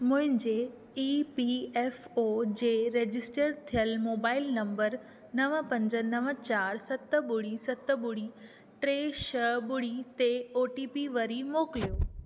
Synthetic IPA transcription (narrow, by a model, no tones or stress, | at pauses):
mʊ̃ɦɪ̃ɲd͡ʑe | ipiɛːfod͡ʑeːɾeːd͡ʑɪsʈəɾt̪ʰijəlmoːbaːɪlnɐ̃mbəɾ | nɐʋəpɐ̃ɲd͡ʑə̆nɐʋət͡ɕaːɾsɐt̪ə̆ɓʊɽisɐt̪ə̆ɓʊɽi | ʈɾeːʃəɓʊɽit̪eoːʈipiʋɐɾimoːkɪlijoː